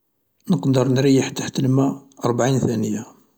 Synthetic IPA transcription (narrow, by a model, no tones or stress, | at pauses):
nəqd̪əɾˤnɾəjəħt̪ːaħt̪əlmæɑɾˤbaʕinθænəja